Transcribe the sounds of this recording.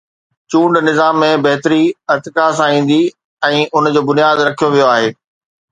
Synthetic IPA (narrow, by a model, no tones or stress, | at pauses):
t͡ɕũːɳɖnɪzaːmːẽbɛɦt̪əɾiɪɾt̪ɪkas̬ãĩːn̆d̪i | ɛ̃ːʔʊnd͡ʑoːbʊnijaːd̪ɾɐkʰijoʋijoaːɦeː